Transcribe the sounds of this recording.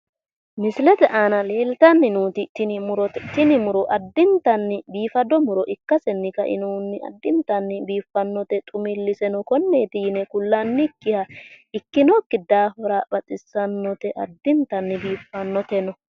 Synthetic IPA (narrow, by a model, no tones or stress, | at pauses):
mɪslɛt̪ɛʔanɐle̞ːlt̪ɐnːɪnuːt̪ɪt̪ːɪnɪmʊɾɔt̪ːɪnɪmʊɾɔʔɐd̪ːɪnt̪ɐnːɪbiːfɐd̪ɔmʊɾɔʔɪkːɐsɛnːɪkɐ̰ʔɪ̰nuːnːɪɐ̰d̪ːɪnt̪ɐnːɪbiːfːɐnːɔt̪ɛt̪ʼʊmɪlːɪsɛnɔkɔnːe̞ːt̪ɪjɪnɛkʊlːɐnːɪkːɪhɐɪkːɪnɔkːɪd̪aːfɔɾaːbɐt͡sʼɪsːɐnːɔt̪ɛʔɐd̪ːɪnt̪ɐnːɪbiːfːɐnːɔt̪ɛnɔ